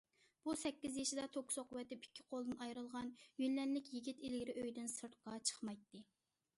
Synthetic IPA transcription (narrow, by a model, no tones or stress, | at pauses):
b̥usɛkʲːizjiʃid̪ɛt̪ʰoksoqʊwɛt̪ɪpi̥kʲʰːi̥qʰolˠd̪ɨnɑjɾɨlˠʁɑnjynlɛnlɪkʲjiɡʲit̪ilɡʲiɾɪʔøjd̪ɪnsɨɾt̪̚qɑt͡ʃʰə̥χmɑjt̪ːɨ